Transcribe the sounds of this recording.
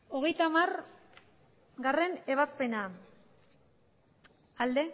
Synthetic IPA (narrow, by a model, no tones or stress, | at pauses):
o̞ɣ̞e̞jt̪amar | ɡare̞ne̞βaspe̞na | ald̪e̞